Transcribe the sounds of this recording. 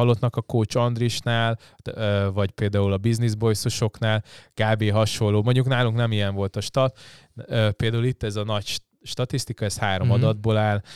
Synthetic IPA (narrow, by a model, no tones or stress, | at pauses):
ɒlːot̪nɒkɒkoːt͡ʃɒnd̪ɾriʃnaːl | øvɒɟpeːld̪aːulɒbiznizbo̞jsoʃo̞knaːlkaːbeːɦɒʃo̞lːoːmo̞ɲɟuknaːluŋknɛmijɛɱvo̞lt̪ɒʃt̪ɒt̪ | øpeːld̪aːulit̪ːɛzɒnɒcʃ | ʃt̪ɒt̪ist̪ikɒɛshaːɾo̞mɒd̪ɒd̪̚boːlaːl